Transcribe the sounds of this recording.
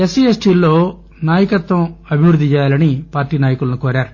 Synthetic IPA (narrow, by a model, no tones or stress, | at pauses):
esiesʈiːlːo̞ː | naːjɐkɐt̪ʋɐ̃mɐbʱiʋɾud̪ːit͡ʃɛːjaːlɐnipaːɾʈiːnaːjɐkulɐnukoːɾaːɾu